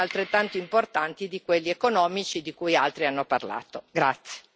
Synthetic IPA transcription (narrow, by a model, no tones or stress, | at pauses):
alt̪ɾet̪ːant̪oimport̪ant̪id̪ikwelːiekonɔːmit͡ʃid̪ikujalt̪ɾianːopa̰rla̰ːt̪oɡɾat̪sːje̥